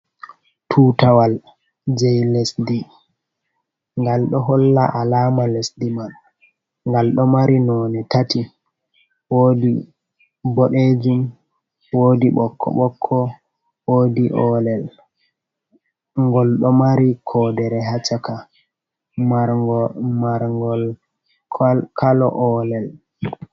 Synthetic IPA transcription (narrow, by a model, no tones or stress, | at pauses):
tʰuːtawal | d͡ʒɛjlɛsdi | ŋɡalɗɔɦɔlːa̰ʔalaːmalesdiman | ŋɡalɗɔmaɾinɔnɛtati | woːdi | bɔɗed͡ʒum | woːdiɓɔkʰːɔ̰ɓɔkʰːɔ | woːdiʔɔlɛl | ŋɡɔlɗɔmaɾikʰɔːdɛɾɛɦat͡ʃːaka | m | maɾŋɡɔl | kʰalɔ̰ʔɔlɛl